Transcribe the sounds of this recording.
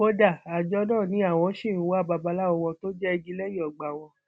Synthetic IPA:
o˧da˦˨a˨d͡ʒɔ˧˦nã˦˨nĩ˨˦a˦˨w̃ɔ̃˧˦ʃĩ˦˨wa˦ba˧ba˧la˦ɔ˧wɔ̃˧to˦d͡ʒɛ˦˧ɡi˦lɛ˦ji˦˨ɔ˨ɡ͡ba˨w̃ɔ̃˧

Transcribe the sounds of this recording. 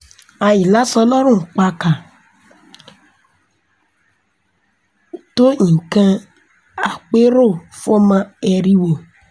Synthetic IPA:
a˨˧ji˨la˦sɔ˧lɔ˦ɾ̃ũ˦˨k͡pa˧ka˨ | to˦ĩ˨kã˧ | a˨k͡pe˦ɾo˦˨fo˦mã˧ɛ˧ɾi˦wo˨

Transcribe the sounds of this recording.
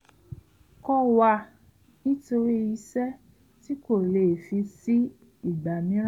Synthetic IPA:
kɔ˧wa˧ | nĩ˦to˧ɾi˦i˧sɛ˦ | ti˦ko˦˨le˨fi˧si˦ | i˦˨ɡ͡ba˨mĩ˨˦ɾ

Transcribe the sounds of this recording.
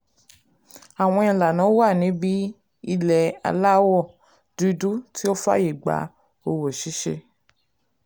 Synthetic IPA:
a˨w̃ɔ̃˧ĩ˧la˨nã˨˦wa˦˨nĩ˨˦bi˦ | i˧lɛ˨a̰˧la˦wɔ˦˨ | du˧du˦ti˦o˦fa̰˦ji˦˨ɡ͡ba̰˨˦ | o˧wo˨ʃi˨˦ʃḛ˧

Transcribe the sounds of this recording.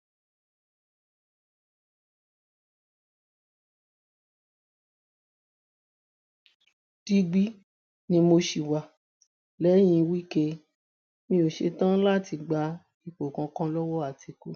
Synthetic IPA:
ti˧ɡ͡bi˦ | nĩ˧mo˧ʃi˨wa˨ | lɛ˨˦j̃ĩ˧wi˦ke˧ | mĩ˧o˨ʃe˧tã˦la˦˨ti˧ɡ͡ba˧ | i˨k͡po˨kã˧kã˦lɔ˦wɔ˦a˦˨tʰi˧ko˦

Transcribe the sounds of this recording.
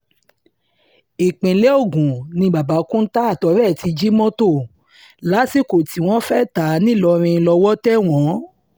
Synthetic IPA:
i˨k͡pẽ˨le˨˦o˦˨ɡũ˨nĩ˧ɡ͡ba˨ba˨˦kũ˦n̩˦ta˦a˦˨tɔ˨˧˦ɾɛ˦˨ti˧d͡ʒi˦mɔ̃˦to˦˨ | la˨˦si˦˨ko˨ti˨˦w̃ɔ̃˦fɛ˦˨ta˨˦nĩ˦˨lɔ˧ɾ̃ĩ˧˦˧lɔ˧wɔ˦tɛ˦w̃ɔ̃˨˦

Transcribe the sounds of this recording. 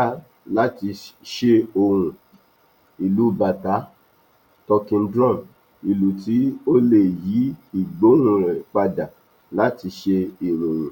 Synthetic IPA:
a˦ | la˦ti˧ʃe˧o˧wũ˨ | i˨lu˨˦ba˨ta˨˦ | tɔ˧kĩ˧n̩˦dɾɔ̃˦˨m | i˨lu˨ti˨˦o˦le˨ji˨˦i˨ɡ͡bo˨˦ũ˧ɾɛ˨k͡pa˧da˨ | la˨˦ti˧ʃe˧i˨ɾũ˨ɾ̃ũ˨

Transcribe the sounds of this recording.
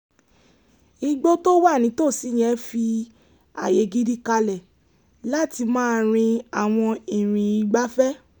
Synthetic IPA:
i˧ɡ͡bo˦to˦wa˦˨nĩ˨˦to˦˨si˨˦j̃ɛ̃˨˦fi˧ | a̰˨je˧˦ɡi˦di˦ka˧lɛ˨ | la˦˨ti˧mãː˦ɾ̃ĩ˧a˨w̃ɔ̃˧ĩ˨ɾ̃ĩ˨i˧ɡ͡ba˦fɛ˦

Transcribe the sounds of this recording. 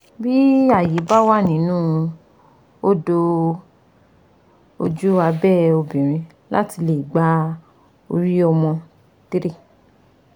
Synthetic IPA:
bi˦a˦˨ji˨˦ba˦wa˦˨nĩ˨˦nũː˦˧ | o˦do˧ | o˧d͡ʒu˦a˧bɛ˦˨o˧bĩ˨ɾ̃ĩ˧ | la̰˦ti˧le˨ɡ͡ba˦ | o̰˧ɾi˦ɔ˧mɔ̃˧ | ti˦ɾe˦˨

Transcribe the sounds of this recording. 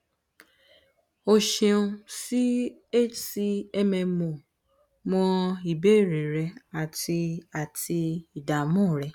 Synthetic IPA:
o˧ʃĩ˧ũ˧si˦e˦t͡ʃsi˧ɛ˧mɛ̃˧mõ˨ | mɔ̃˧i˨be˦˨ɾe˨ɾɛ˧a˨ti˧a˨tʰi˧i˨da˨mũ˦˨ɾɛ˧˦

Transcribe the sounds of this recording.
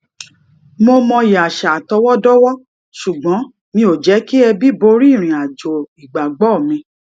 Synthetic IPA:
mo˧mɔ̃˧i˨a˨ʃa˨tɔ˧˦wɔ˦dɔ˦wɔ˦ | ʃu˨ɡ͡bɔ̃˨˦ | nĩ˧o˨d͡ʒɛ˨˦ki˦ɛ˧bi˦bo˧ɾi˦˨ɾ̃ĩ˨a˨d͡ʒo˨i˨ɡ͡ba˨ɡ͡bɔ˦˨mĩ˧

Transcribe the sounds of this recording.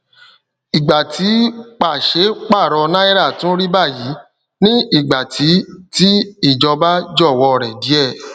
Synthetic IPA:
i˨ɡ͡ba˨tʰi˨˦k͡pa˨ʃe˨˦k͡pa˦˨ɾɔ˧nã˦i˦ɾa˦˨tũ˦ɾi˦ba˦˨ji˨˦ | nĩ˦i˦˨ɡ͡ba˨tʰi˨˦ti˦i˦˨d͡ʒɔ˧ba˦d͡ʒɔ˦˨wɔ˧ɾɛ˨di˨˦ɛ˦˨

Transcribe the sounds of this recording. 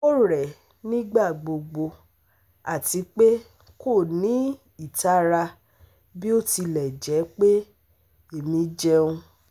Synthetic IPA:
o˦˨ɾɛ˨ | nĩ˦ɡ͡ba˦˨ɡ͡bo˧ɡ͡bo˧ | a˨ti˨˧˦k͡pe˦ | ko˦˨nĩ˨˦ | i˦˨ta˦ɾa˧ | bi˦o˦ti˧lɛ˨d͡ʒɛ˨˦k͡pe˦ | e˦˨mĩ˨˧d͡ʒɛ˧˦ũ˧˦

